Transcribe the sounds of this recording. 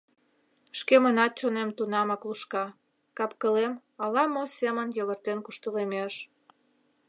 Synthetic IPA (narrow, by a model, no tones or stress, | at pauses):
ʃkemənɑt̪̚t͡ɕonemt̪unɑmɑkluʃkɑ | kɑpkəlem | ɑlɑmosemənjəβərt̪enkuʃt̪əlemeʃ